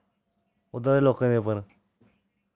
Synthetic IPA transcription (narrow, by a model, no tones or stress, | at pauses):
ʊd̪ad̪eːloːkãːd̪eːpəɾ